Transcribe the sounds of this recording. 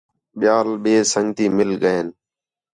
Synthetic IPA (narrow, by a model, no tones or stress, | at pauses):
ɓɪjaːlɓeːsəŋɡt̪iːmɪlɠəeːn